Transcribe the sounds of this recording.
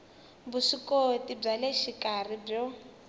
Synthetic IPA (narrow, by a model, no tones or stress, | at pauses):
busikɔtib͡ʐaleʃikʼar̤ib͡ʐɔ